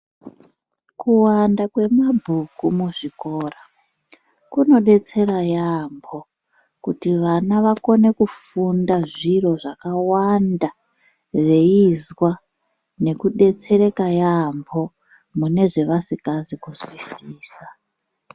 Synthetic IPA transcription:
kuwandakwe̞mabʱukumuʐiko̞ːra | kuno̞ɗe̞t͡se̞ɾajambʰʱo̞ | kutiʋanaʋako̞ne̞kufundaʐiro̞ʐakawanda | re̞izwa | ne̞kuɗe̞t͡se̞ɾe̞kajambo̞ | mune̞ʐe̞ʋasikazikuzwisiːsa

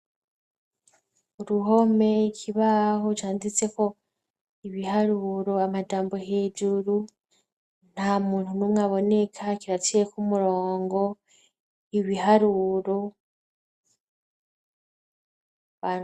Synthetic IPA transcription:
uɾuɦo̞me̞cʰiβahot͡ʃaːndit͡se̞ko̞ | iβihaɾuɾoamad͡ʒaːmbo̞ɦed͡ʒuɾu | n̥hamuːntunumwaβo̞ne̞kʰaciβat͡siekumuɾoːŋɡo̞ | iβihaɾuɾo | βa

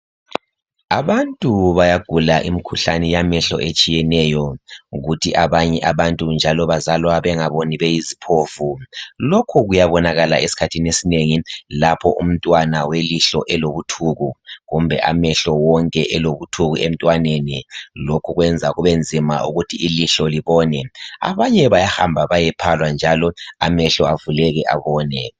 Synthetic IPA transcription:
aβantʼuβajaɡ̥ʱulaʔimikʰuɬanɛjamɛɬɔ̰ʔet͡ʃʼijɛnɛjɔɣutʰiʔaβaɲɛʔaβantʼund͡ʒʱalɔβazalɔaβɛŋaβoniβejizipʰofulokʰuɣujaβɔnaɣalaʔesi̥kʰatʰinesineŋilapʰɔ̰ʔṵm̩tʼwanaweliɬɔʔɛloβutʰuɣuɣumbʱɛ̰ʔa̰mɛɬɔwɔŋkʼɛʔɛloβutʰuɣuʔem̩tʼwanenilokʰuɣwɛnd͡zʱaɣuβend͡zʱima̰ʔṵɣutʰiːliɬɔliβɔːnɛa̰βaɲɛβajahambʱaβajɛpʰalwand͡ʒʱalɔamɛɬɔavulɛɣɛʔa̰βɔːnɛ

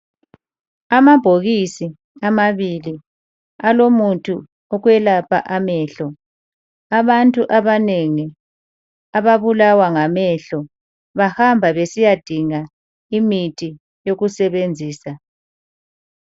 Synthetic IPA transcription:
amab̥ʱoɣisi | amaβili | alomutʼʰu | ɔɣwɛlapʰa̰ʔamɛːɬɔ | aβantʼuʔaβaneŋi | aβaβulawaŋamɛɬɔ | βahambʱaβesijad̥ʱiŋa | imitʼi | joɣusɛβend͡zʱiːsa

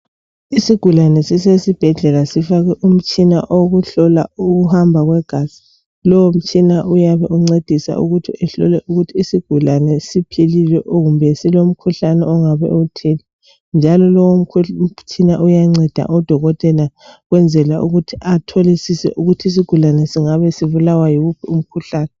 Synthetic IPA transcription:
isiɡ̥ʱulanɛsisesib̥ʱɛɮɛlasifaɣɛʔum̩t͡ʃʼina̰ʔoɣuɬɔla̰uɣuhambʱaɣwɛɡ̥ʱaz̥i̥ | lɔwom̩t͡ʃʼinaʔujaβɛʔuŋ͡ǀed̥ʱisa̰ṵɣutʰiɛɬɔ̰lɛʔuɣutʰiːsiɡ̥ʱulanɛsipʰililɛʔoɣumbʱɛsilom̩kʰuɬanɛ̰ɔŋaβɛ̰tʰɛli | nd͡ʒʱalɔlɔw̩kʰt͡ʃʼʰinaʔujaŋ͡ǀɛd̥ʱa̰ʔɔd̥ʱɔɣɔtʼɛlaɣwɛnd͡zʱɛlauɣutʰiʔatʰɔlisisɛ̰ʔuɣutʰiis̬iɡ̥ʱulanɛsiŋaβɛsiβulawajiɣupʰium̩kʰuɬaːnɛ

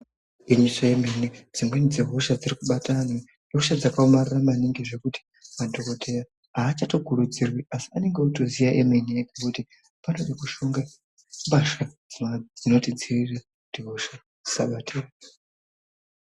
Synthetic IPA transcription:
iɲiʂajemenid͡zimwenid͡zeɦo̞ʃad͡zirikuɓatʰane | eɦoʃad͡zakaomariramaniŋɡiʐe̞kuti̥ | madʱo̞ko̞tʰe̞ja | ɦaːt͡ʃato̞kʰuɾud͡zirwiasi̥ane̞ŋɡeuto̞zijaʔemeniekekuti | pano̞ɗakuʃuŋɡa | mbaʃa | d͡zimad͡zino̞tind͡ziriraku̥tiɦoʃa | d͡zisaɓatʰer

